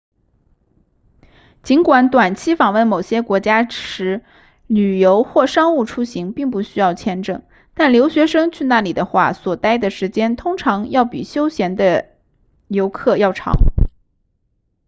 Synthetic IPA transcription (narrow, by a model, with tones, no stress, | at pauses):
t͡ɕi˧˥nkwa˨˥nt̪wa˨˩nt͡ɕʰi˥fɑ˨˩ŋwə˥˩nmo˨˩ʊɕjɛ˥kwɔ˧˥t͡ɕja˥ʈ͡ʂʰɻ̩˧˥ | ly˨˩jo˧˥ʊxwɔ˥˩ʂɑ˥ŋu˥˩ʈ͡ʂʰu˥ɕi˧˥ŋpi˥˩ŋp̬u˥˩ɕy˥jɑ˥˩ʊt͡ɕʰjɛ˥nʈ͡ʂɤ̰˥˩ŋ | t̪a˥˩nljo˧˥ʊɕɥɛ˧˥ʂɤ˥ŋt͡ɕʰy˥˧na˥˩li˨˩d̪ə˦xwa̰˥˩swɔ˨˩t̪a˥ɪd̪ə˨ʂɻ̩˧˥t͡ɕjɛ˥nt̪ʰʊ˥ŋʈ͡ʂʰɑ˧˥ŋjɑ˥˩ʊpḭ˨˩ɕjo˥ʊɕjɛ˧˥nd̪ə˧ | jo˧˥ʊkʰɤ˥˧jɑ˥˩ʊʈ͡ʂʰɑ̰˧˥ŋ